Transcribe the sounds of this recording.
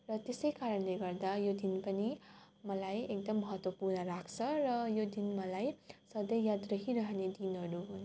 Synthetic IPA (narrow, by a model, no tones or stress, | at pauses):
rʌt̪esʌjkaɾʌnleɡʌrd̪ajod̪inpʌni | mʌlajek̚d̪ʌmːʌɦʌt̪wʌpurnʌɾakʰt͡sʰʌɾʌjod̪inmʌlajsʌd̪ʌjjad̪rʌɦiɾʌɦned̪inɦʌɾuɦun